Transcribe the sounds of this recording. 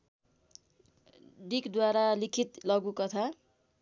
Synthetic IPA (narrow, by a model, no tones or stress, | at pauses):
ɖikd̪waɾalikʰit̪lʌɡukʌt̪ʰa